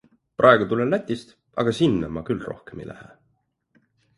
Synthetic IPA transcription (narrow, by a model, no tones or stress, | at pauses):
prʔɑˑeɡ̥ut̪ulelæt̪ʲːˑist̪ | ɑ̰ɡ̥ɑsinːɑmɑkylro̞hkemḭlʔæ̰hḛ